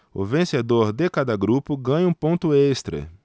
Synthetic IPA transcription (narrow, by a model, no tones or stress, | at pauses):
ʊ̰vẽsed̪oɾd̪ɪkad̪ɐɡɾupʊɡɐ̃ɲɐũpõnt̪ʊest̪ɾɐ̰